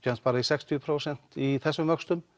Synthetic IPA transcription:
anspaːɾaisɛkst̪ʰipʰɾowsɛn̥t̪iθɛsːʏmvœkst̪ʏm

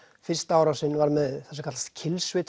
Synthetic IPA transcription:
fɪr̥st̪aaːwɾasɪnːvaɾmɛðθɛ̥sakʰat̪ḁst̪̚cʰɪlsvɪt̪

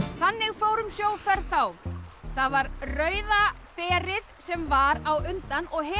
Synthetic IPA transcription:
θanːɪɣfoːwɾʏmsjoːwfɛɾθawθaðvaɾrœːɥðapɛːɾɪðsɛmvaɾawʏnt̪anɔɣɦɛ

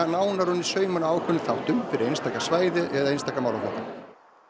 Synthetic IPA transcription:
naːwnaɾʊnːɪsœːɥmʏnaaːwkʰʏnːɪθawt̪ʏmfɪɾɪɾejnst̪aːkasvaːjðɪʔɛðaejnst̪aːkamaːwlafɔ̰hkan

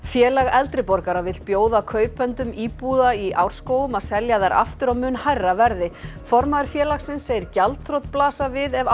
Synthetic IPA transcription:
fjɛːlaɣɛlt̪ɾɪpɔɾkaɾavɪ̥t̪̚pjoːwðakʰœːɥpɛnt̪ʏmiːpuðaiʔawɾ̥skoːwʏmaðsɛljaðaɾa̰ft̪ʏɾamʏːnhajrːavɛɾðɪfɔɾmaðʏɾ̥fjɛːlaxsɪnsːeːjɪɾcalt̪θɾowt̪̚plaːsavɪðɛv

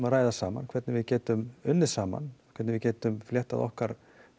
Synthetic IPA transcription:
maɾaːjðasaːma̰nkʰv̥ɛɾt̪nɪvɪðcɛːt̪ʏmʏnːɪ̥saːma̰nkʰvɛɾt̪nɪvɪcɛːt̪ʏmfljɛht̪a̰ðɔ̰hkaɾ̥

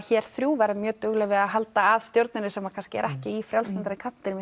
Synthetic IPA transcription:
çɛːɾ̥θɾjuːvɛɾamjœːt̪ʏɣlɛvɪaðɦal̪t̪aːðst̪jowɾt̪nɪnɪsɛmakʰanscɪɛ̰ɾʔɛhcɪifɾjawlslant̪aɾɪkʰapnɪɾɪm

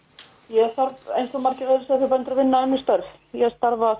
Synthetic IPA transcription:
jɛst̪aɾvḛjnsɔmaɾ̥cɪvɛðɪsaθɪɾpɛjnt̪ɾavɪnːaɛnːɪst̪œɾf | jɛst̪aɾva

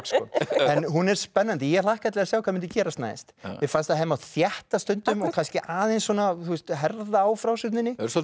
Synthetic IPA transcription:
kskɔ̰ɛnɦunɛɾ̥spɛnːant̪ɪjɛlahkat̪lɛɣɾasjawkʰvamɪnt̪ʏcɛːɾast̪na̰jst̪vɪfanst̪aɦejmawθjɛht̪ast̪ʏnt̪ʏmɔɣkʰanscɪʔaːðejnsɔnaθust̪ɦɛɾðaːwfɾawsʏht̪nɪnɪɾsɔ

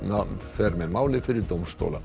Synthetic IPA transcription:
nafɛɾmɛmaːwlɪfɪɾɪɾt̪owmst̪o̰wla̰

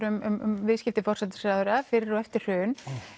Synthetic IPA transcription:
ɾʏmʏmʏ̰mvɪðscɪft̪ɪfɔrsɛt̪ʏ̥sɾaːðʏɾafɪːɾɪɾɔɛft̪ɪɾ̥hʏːn

